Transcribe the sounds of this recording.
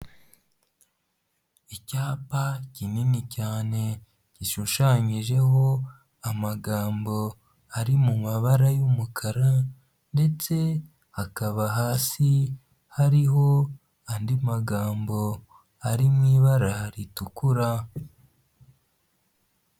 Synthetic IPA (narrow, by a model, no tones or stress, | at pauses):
icaːpacininicaːne̞ | ciʃuʃaɲiʒe̞ɦo̞ | amaɡaːmbo̞ | aɾimumaβaɾajumukʰaɾa | nde̞t͡se̞ | hakaβaɦaːsi | haɾiɦo̞ | andimaɡaːmbo̞ | aɾimŋiːβaɾaɾitukuɾa